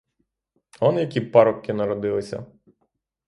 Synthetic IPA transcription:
ɔnjɐkʲipɑɾɔp̚kɪnɐɾɔd̪ɪlˠɪsʲɐ̰

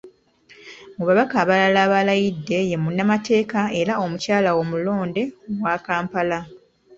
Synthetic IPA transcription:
muβaβakaːβalalaːβalajidːe̞je̞munːamate̞ːkae̞ɾao̞mucaːlawo̞mulo̞ːnde̞oɡwaːkaːmpala

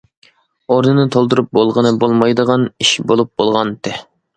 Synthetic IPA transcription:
oɾnɨnɨt̪ʰolˠd̪uɾup̚bolˠʁənɨbolˠmɑjd̪əʁɑniʃbolˠup̚b̥olˠʁɑnt̪ɪ

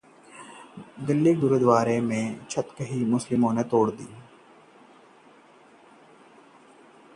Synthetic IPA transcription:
d̪ɪlːiɡʊɾud̪ʋaːɾemẽt͡ʃʰət̪kəɦimʊslɪmõnet̪oːɽd̪ḭː

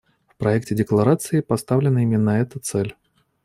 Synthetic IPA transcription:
fpɾaɛk̚tʲɪdʲɪklˠaɾat̪sɨjipast̪avlʲɪnɐimʲɪnːɐɛt̪ət̪sɛlʲ

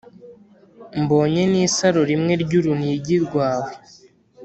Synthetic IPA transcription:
mbo̞ːɲe̞niːsaɾoɾimŋe̞ɾɟuɾuniɟiɾɡwaːwe

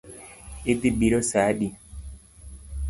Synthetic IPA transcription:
it̪ibiɾosaːɗi

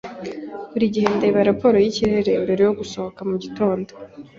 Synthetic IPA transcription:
uɾiɟihendeβaɾapo̞ɾo̞jiciɾe̞ɾe̞mbe̞ɾejo̞ɡuso̞hokamuɟito̞ːndo

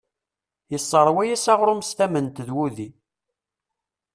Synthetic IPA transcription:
jəsˤːəɾˤwæjæsɑʁɾʊmst̪æmənt̪əðwuði

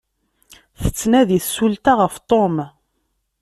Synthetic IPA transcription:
θə̥t͡sːnæðiθsult̪aʁəft̪ˤom

